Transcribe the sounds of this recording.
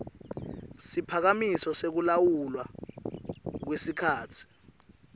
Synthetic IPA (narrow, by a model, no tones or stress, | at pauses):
sipʰak̬amisɔsek̬ulawulwa | k̬wesikʰaːtʰi̥